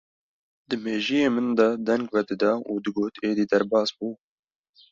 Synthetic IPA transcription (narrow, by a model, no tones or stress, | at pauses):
d̪ɨmeːʒijeːmɨnd̪ɐd̪ɛŋɡvɛd̪ɨd̪ɑːuːd̪ɨɡoːt̪ʰeːd̪iːd̪ɛɾbɑːsbuː